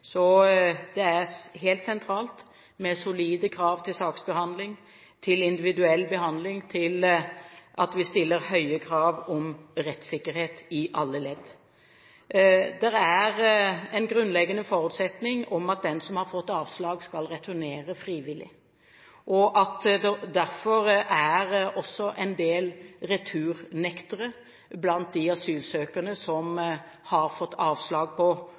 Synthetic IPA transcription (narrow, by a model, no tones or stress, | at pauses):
sɔd̪ɛæʁɦeːlt̪sɛnt̪ʰɾɑːlt̪ | mɛsʊliːd̪əkʰɾɑːʋt̪ʰɪlsɑːksbəhɑnd̪lɪŋ | t̪ʰɪlɪnd̪ɪʋɪd̪ʉɛlːbəɦɑnd̪lɪŋt̪ʰɪl | ʔɑt̪ʋɪst̪ɪlːəɾhœʏəkʰɾɑːʋɔmɾɛt̪sɪkːəɾheːt̪ɪʔɑlːəlɛd̪ | d̪ɛɾæɾɛnɡɾʉnlɛɡənəfɔɾʉːt̪sɛt̪nɪŋɔmɑt̪̚d̪ɛnsɔmhɑɾfɔt̪ːɑːʋslɑːɡskɑlʁɛt̪ʰʉɾneːɾəfɾiːʋɪlɪ̰ | ʔɔʔɑt̪d̪æɾfɔɾæɾɔsːɔʔɛnd̪eːlɾɛt̪ʰʉːɾnɛkt̪əɾə | blɑnt̪̚d̪ɪɑsyːlsøːkənəsɔm | hɑɾfɔt̪ːɑːʋslɑːɡ̚pʰɔ